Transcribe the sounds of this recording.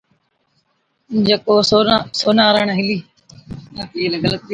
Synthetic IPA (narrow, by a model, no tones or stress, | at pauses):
d͡ʒekoːsoːnaːɾəɳ̃ɦɪliː | iːləɡələt̪̚ː